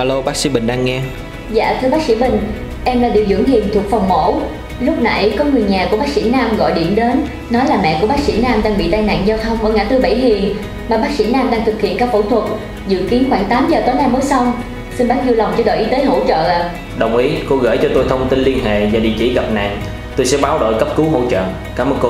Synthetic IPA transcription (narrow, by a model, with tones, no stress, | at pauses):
haː˧˩lo˧ɓaː˦˥k̚sḭ˧˥ɓï˨˩ŋ̟ɗaː˧ŋːɛ˧ | za̰ː˧˨t̪ʰɨ˧əɓaː˦˥k̚sḭ˧˥ɓï˨˩ŋ̟ | ʔɛ˧mlaː˨˩ɗḭ˧˨əwzɨ̰˧˩əŋhi˨˩ənt̪ʰu˨˩ək̚fa˨˩wŋ͡mmo̰˧˥ | lʊ˦˥p̚na̰˧˩jkɔ˨˦ŋɨ˨˩əjɲaː˨˩ku˧˩əɓaː˦˥k̚si˧˥naː˧mɣɔ̰˧˨jɗḭ˧˩əmɗe˨˦nː | ɔ˨˦jlaː˨˩mɛ̰˧˨ku˧˩əɓaː˦˥k̚sḭ˧˥naː˧mɗaː˧ŋɓḭ˧˨t̪aː˧jna̰˧˨ŋzaː˧wt̪ʰə˧wŋ͡mʔəː˧˩jŋaː˧˩t̪ɨ˧ɓa˧˩jɦi˨˩ən | maː˨˩ɓaː˦˥sḭ˧˥naː˧mɗaː˧ŋt̪ʰɨ˨˩k̚hḭ˧˨ənkaː˦˥k̚fo˧˩t̪ʰwə˨˩t̚ | zɨ̰˧˨ki˨˦ənxwaː˧˩ŋt̪aː˨˦mzəː˨˩t̪o˨˦jnaː˧məː˨˦jsa˧wŋ͡m | si˧nɓaː˦˥t̚zi˧wla˨˩wŋ͡mt͡ɕɔ˧ɗo̰˧˨ʔi˨˦t̪eː˨˦jɦo̰˧˥t͡ɕə̰ː˧˨˩ | ɗə˨˩wŋ͡mʔi˨˦ko˧ɣə̰˧˩jt͡ɕɔ˧t̪o˧jt̪ʰə˧wŋ͡mt̪i˧nli˧ənɦḛ˧˨vaː˨˩ɗḭ˧˨t͡ɕḭ˧˩ɣə˨˩p̚na̰ː˧˨ŋ | t̪o˧jsɛ̰˧˥ɓaː˨˦wɗo̰˧˨jkə˦˥p̚kɨ˨˦ɦo̰˧˨t͡ɕə̰ː˧˨ | kaː˨˦mʔə˨˩ko˧